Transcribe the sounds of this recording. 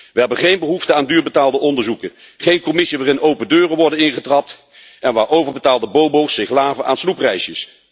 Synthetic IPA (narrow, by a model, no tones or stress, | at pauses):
ʋəɦɛbənχejnbəɦuftəaːndyːɹbətaːlˠdəʔɔndəɹzukə | χejnkɔmɪsiʋaːrɪnowpəndøːrəʋɔɹdənɪnχətrɑp̚t | ʔɛnʋaːɹʔowvəɹbətaːlˠdəbowbowsɪχlaːvənʔa̰ːnsluprɛjsjəs